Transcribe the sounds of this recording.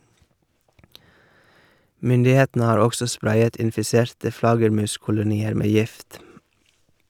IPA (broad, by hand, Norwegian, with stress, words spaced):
ˈmʏndɪˌheːtn̩ə ˈhɑːɾ ˈɔɡsɔ ˈspɾɑɪət ɪnfɪˈsɛɾtə ˈflɑɡəɾˌmʉːskʊlʊˌniːəɾ ˈmeː ˈjɪft